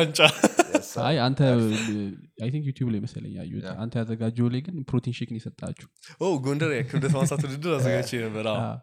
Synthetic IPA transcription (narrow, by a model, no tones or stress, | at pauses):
aɲt͡ʃʼa | ajant̪ʰə | ajt̪ʰiŋkjut̪ʰjublajməsələ̰ɲːa̰jːṵa̰nt̪ʰəjazəɡad͡ʒɛwlajɡɨnpɾot̪ʰinʃikʼɨnjsət̪ʼːa̰t͡ʃːɛ̥hʔowɡondəɾjakʰːɨbdət̪masat̪wud̪ɨd̪ːɨɾazzəɡat͡ʃːejəbəɾaa̰